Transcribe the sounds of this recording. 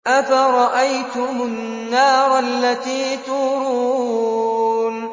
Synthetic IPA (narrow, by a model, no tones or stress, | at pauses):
ʔafaɾˤɑʔajt̪ʊmʊnː | ɑːɾˤalːat̪iːt̪ʊhɾuː | n